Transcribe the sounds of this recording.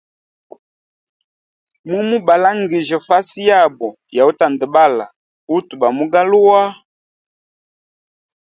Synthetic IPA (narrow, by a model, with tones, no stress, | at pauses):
mu˦mu˦ba˨la˦ŋɡi˨ʒə˨fa˦si˦ja˦˨bɔ˨ | ja˨u˦ta˨ndə˨ba˦la̰˨ | u˦tu˨ba˨mu˦ɡa˦lu˦wa˦